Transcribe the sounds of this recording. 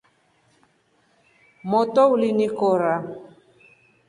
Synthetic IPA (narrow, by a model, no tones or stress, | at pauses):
mɔtɔulinikɔɾa